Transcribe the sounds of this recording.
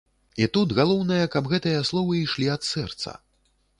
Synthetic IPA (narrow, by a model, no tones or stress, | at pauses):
it̪ud̪ɣalˠɔwnɐjɐkɐbɣɛt̪ɨjɐslˠɔvɨiʂlʲiɐt̪sɛrt̪sɐ̰